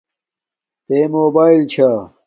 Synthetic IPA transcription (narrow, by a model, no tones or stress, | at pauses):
t̪eːmoːbaːilt͡ɕʰa